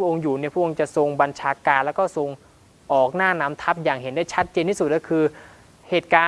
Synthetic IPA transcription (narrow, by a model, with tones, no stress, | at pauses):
u˥˩ʔo˧ŋjuː˨˩ni˥˩pʰu˥˩˨ʔo˧ŋt͡ɕa˨˩so˧ŋba˧nt͡ɕʰaː˧kaː˧nlɛ˦˥wkɔː˥˩so˧ŋ | ʔɔː˨˩k̚naː˥˩naː˦˥mt̪ʰa˦˥p̚jaː˨˩ŋhe˩˦ndaː˥˩jt͡ɕʰa˦˥t̪̚t͡ɕeː˧nt̪ʰi˥˩su˨˩t̪̚kɔ˥˩kʰɯː˧ | heː˨˩t̪̚kaː˧